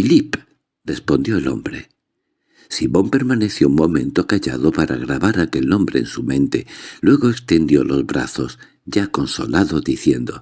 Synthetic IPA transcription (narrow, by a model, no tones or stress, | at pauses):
filip | re̞spo̞nd̪jo̞elo̞̰mbɾe̞ | simõ̞mpe̞ɾmane̞θjouŋmõ̞mẽ̞nt̪okaʎa̰ðo̞paɾa̰ɣ̞ɾaβaɾake̞lnõ̞mbɾḛːnsumẽ̞nt̪e̞lwe̞ɣo̞ekst̪e̞nd̪jo̞lo̞zβɾa̰θo̞s | ɟ͡ʝako̞nso̞laðo̞ðiθje̞nd̪o̞